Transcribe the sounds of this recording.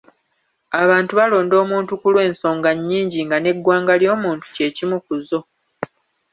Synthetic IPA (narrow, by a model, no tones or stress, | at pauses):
aβaːntuβalo̞ːndo̞ːmuːntukulwe̞ːnso̞ːŋɡaɲːiːɲɟiŋɡane̞ɡːwaːŋɡaljo̞ːmuːntu̥ce̞ːcimukuzo̞